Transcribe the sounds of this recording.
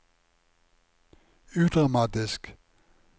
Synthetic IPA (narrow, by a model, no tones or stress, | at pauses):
ʉːd̪̥ʁɑmɑːt̪ɪsk